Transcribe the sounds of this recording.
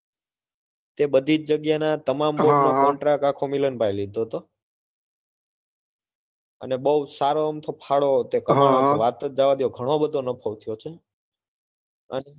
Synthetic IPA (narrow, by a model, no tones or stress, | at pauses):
t̪ebəd̪ʱit͡ʃd͡ʒəɡjanat̪əmambolnokɔ̃ɳʈɾakakʰomilənbʱajlid̪̚oɦət̪o | ə̰nebəusaɾoəmt̪ʰopʰaɭot̪ekəɾaɳõt͡ʃeʋat̪əd͡ʒd͡ʒaʋad̪ioɡʱəɽ̃obəd̪ʱonəpʰəʋt̪ʰijot͡ʃʰe | ə̰ne